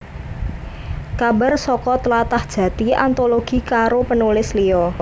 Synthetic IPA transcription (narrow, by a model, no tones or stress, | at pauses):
kaba̤rsɔkɔt̪əlat̪ahd̥ʒ̥ä̤t̪iant̪oloɡ̥i̤kaɾopənulɪsliɔ